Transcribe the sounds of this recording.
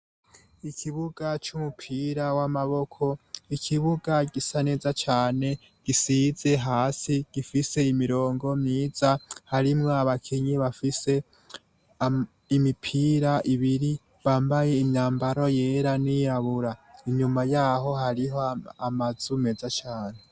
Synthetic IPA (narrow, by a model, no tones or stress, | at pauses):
ikʰiβuɡ̥at͡ʃumupʰiːɾawamaβo̞kʰo̞ikʰiβuɡaɡisane̞ːzat͡ʃaːne̞ | ɡ̥isiz̥e̞ɦaːsiɡ̥ifise̞imiɾo̞ːŋɡo̞mɲiːz̥ahaɾimŋoaβakʰeɲiβafise̞ | imipʰiːɾaʔiβiɾi | βaːmbaje̞imɲaːmbaɾo̞je̞ːɾanijaβuɾaiɲumajaɦo̞ɦaɾiɦo̞amaz̥ume̞ːzat͡ʃaːne̞